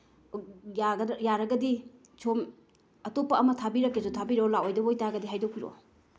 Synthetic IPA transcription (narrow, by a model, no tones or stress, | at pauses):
jaɡɐjaɾɐɡɐdi | t͡ʃʰom | ɐtopːɐɐmɐtʰabiɾɐkːesutʰabiɾolawojdɐbojtaɡɐdiɦajdokiɾo̰